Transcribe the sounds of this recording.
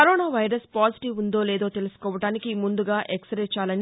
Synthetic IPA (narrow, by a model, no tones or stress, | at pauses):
ɐɾoːnaːʋɐjɾɐspaːziʈiʋund̪o̞ːleːd̪o̞ːt̪e̞lusu̥kɔːʋɐʈaːnikimund̪uɡaːʔeksɐɾeɛt͡ʃaːlɐni